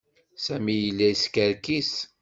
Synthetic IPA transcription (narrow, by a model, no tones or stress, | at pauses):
sæmijəlːæiskæɾkis